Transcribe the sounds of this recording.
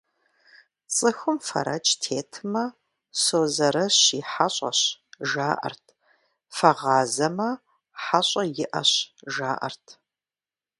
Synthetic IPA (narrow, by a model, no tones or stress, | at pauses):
t͡sʼɨxɨmfɐ̰ɾɐ̰t͡ʃʼtʰeːtʰɨmɐ | soːzɐɾɐɕiːħaɕʼɐ̰ɕʒaːʔɐ̰rtʰ | fɐʁɑːzɐmɐ | ħaɕʼɐjɪʔɐ̰ɕʒaːʔɐ̰rtʰ